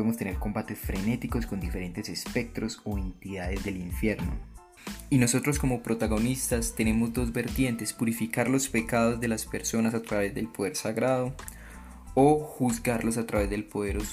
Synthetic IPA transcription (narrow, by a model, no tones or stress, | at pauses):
emost̪e̞ne̞ɾko̞mbat̪e̞sfɾe̞ne̞t̪iko̞sko̞nd̪ife̞ɾe̞nt̪e̞se̞spe̞k̚t̪ɾo̞soent̪iðaðe̞zd̪e̞liɱfje̞ɾno̞̰ | ino̞so̞t̪ɾo̞sko̞mo̞pɾo̞t̪aɣo̞nist̪ast̪e̞ne̞mo̞zd̪o̞zbe̞ɾt̪je̞nt̪e̞spuɾifikaɾlo̞spe̞kað̞o̞zd̪e̞laspe̞ɾso̞nasat̪ɾaβe̞zd̪e̞lpoð̞e̞ɾsaɣɾaðo̞ | oxuzɡaɾlo̞s̬at̪ɾaβe̞zd̪e̞lpoð̞e̞ɾos